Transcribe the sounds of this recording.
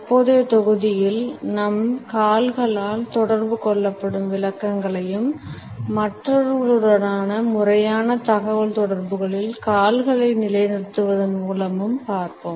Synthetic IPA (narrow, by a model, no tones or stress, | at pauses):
ɐpːoːðeːt̪ɔɣɯðɪjɪlnɐmkaːlɣɐɭaːlt̪ɔɽɐɾbɯkɔɭːɐpːɐɽɯmʋɪlɐkːɐŋɡɐɭɐjɯmː | ɐʈrɐɾɽɽɐɾaːnɐmʊrɐjaːnɐt̪ɐɣɐʋɐlt̪ɔɽɐrbɯɣɐɭɪlkaːlɣɐɭɐɪnɪlɐɪnɪɾɯt̪ːɯʋɐðɐnmuːlɐmɯmpaːɾpoːm